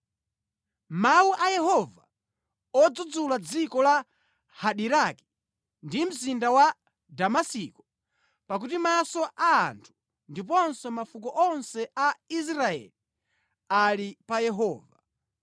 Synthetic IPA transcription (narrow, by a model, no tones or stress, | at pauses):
mawuʔajɛɦɔva | ɔd͡zud͡zulad͡zikɔla | haɗiɾaki̥ | ndim̩zindawa | damasikɔ | pak̬utimasɔʔa̰ːntʰu̥ | ndipɔnsɛmafukɔʔɔnsɛais̬ɾaɛ̰li | alipajɛɦɔːva